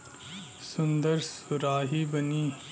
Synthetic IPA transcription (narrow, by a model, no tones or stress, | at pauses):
sʊnd̪əɾsʊɾaːɦiːbɐniː